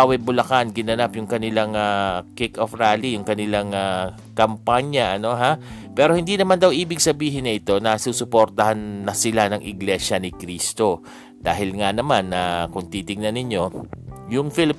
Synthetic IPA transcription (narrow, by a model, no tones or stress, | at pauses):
wɐjbʊlɐkanɡɪnɐnapjʊŋkɐnɪlaŋakɪkofɾaːlijʊŋkɐnɪlaŋa | kɐmpaɲjɐʔɐno̞ɦapɛːɾo̞hɪnd̪inɐmand̪ɐwʔiːbɪɡsɐbiːɦɪnːɐʔɪt̪o̞nɐsuːsʊpoɾt̪ɐhanːɐsɪlanɐŋʔɪɡlɛʃɐnɪkɾiːst̪o̞ | d̪̥aːɦɪlŋanɐmanːɐkʊŋt̪iːt̪ɪŋ̚nɐnːɪɲo̞jʊŋfɪlɪ